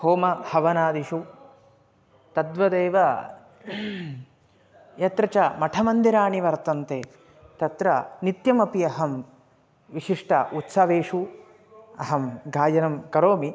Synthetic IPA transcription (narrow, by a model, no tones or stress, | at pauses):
hoːmɐhɐʋɐnaːd̪iʃu | t̪ɐd̪ʋɐd̪eːʋɐ | jɐt̪ɾɐt͡ʃɐmɐʈʰɐmɐnd̪iɾaːɳiʋɐɾt̪ɐnt̪eː | t̪ɐt̪ɾɐnit̪jɐmɐpiɐɦɐm | ʋiʃiʂʈɐ̰ʔut̪sɐʋeːʂu | ɐɦɐmɡʱaːjɐnɐmkɐɾoːmi